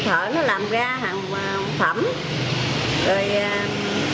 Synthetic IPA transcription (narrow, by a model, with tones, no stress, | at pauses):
t̪ʰə̰ː˧˨nɔ˨˦laː˨˩mɣaː˧ɦaː˨˩ŋ˨ | ŋfə˧˩m | zo˨˩j